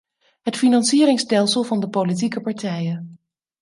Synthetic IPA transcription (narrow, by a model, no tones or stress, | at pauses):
ɦətfinɑnsiːɾɪŋstɛlˠsəlˠvɑndəpolit̬ikəpɑɹtɛjən